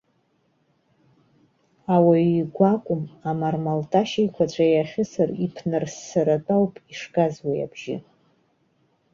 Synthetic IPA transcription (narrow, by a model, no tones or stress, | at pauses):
awaiɡʷakʷʼʊmamarmaltʼaʃejkʷʰat͡ɕʷʰʼajaχʲɪsaripʰnɨrsːaɾatʼawpʼiʂɡazwaja̰bʒ̥ɪ̰